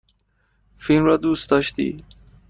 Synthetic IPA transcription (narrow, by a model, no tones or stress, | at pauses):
filmɾɑd̪ust̪d̪ɑʃt̪ḭ